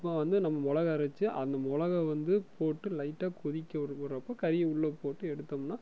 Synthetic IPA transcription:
pːɐ̃ʋɐnd̪ɯnɐmːɐmɔlɐɣɐɪɾɐt͡ʃːɯʔɐ̰nd̪ɐmɔlɐɣɐʋɐnd̪ɯpʰoːʈːɯlɐɪʈːaːkʊðɪkʲːɐɐɾɐpːokɐɾɪjɐʊɭːopoːʈːɯɛɽɯt̪ːɐmnaː

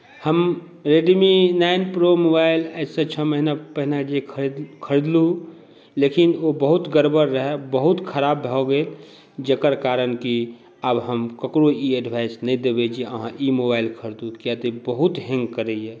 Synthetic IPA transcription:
həm | ɾeɖminaɪnpɾomobaɪlɛset͡ʃʰəməɦinapəɦinad͡ʒekʰəkʰəɾd̪lu | lekinobəɦut̪ɡəɾbəɾːəɦɛbəɦut̪kʰəɾaːbːʱɛɔɡel | d͡ʒekəɾkaɾənki | əbɦəmkəkɾoiəɖbʱaɪsnəĩd̪ebed͡ʒʰieəɦãʔimobaɪlkʰəɾd̪ukjat̪ebəɦut̪ɦɛ̃ŋɡkəɾəiɛ

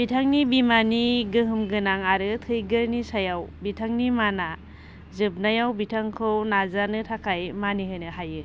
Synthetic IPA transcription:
bitʰaŋnibimaniɡɯɦɯmɡɯnaŋaɾɯtʰɯjɡɯɾnisajawbitʰaŋnimana | zɯb̚najawbitʰaŋkʰɯwnazanɯtʰakʰajmaniɦɯjnɯhajɯ

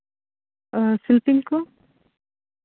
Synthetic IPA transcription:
sɪlpɪŋko

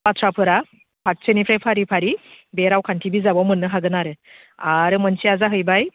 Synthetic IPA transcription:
patʰɾapʰɯɾa | pʰat̚sɯnipʰɾajpʰaɾipʰaɾibeɾawkʰantʰibizabawmɯnːɯɦaɡɯnaɾɯ | aɾɯmɯnsiazaɦɯjbaj

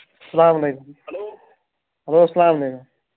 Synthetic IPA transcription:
ssɐlaːmlekuml | ɦəlosɐlaːmlekum

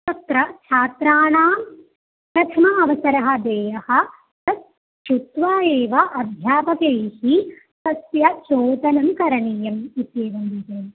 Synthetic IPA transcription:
ɐt̪ɾɐt͡ʃʰaːt̪ɾaːɳaːm | pɾɐt̪ʰɐmɐɐʋɐsɐɾɐɦɐ̆d̪eːjɐhɐ̆ | t̪ɐs | ʃut̪ʋaːeːʋɐʔɐbʱjaːpɐkejhi | sɐsjɐt͡ʃoːt̪ɐnɐmkɐɾɐɳiːjɐmit̪jeːʋɐmd̪it̪eː

